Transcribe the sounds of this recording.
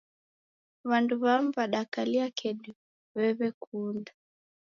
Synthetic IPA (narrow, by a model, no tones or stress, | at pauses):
βanduβamβaɗakaliakɛɗu | βɛβɛkunda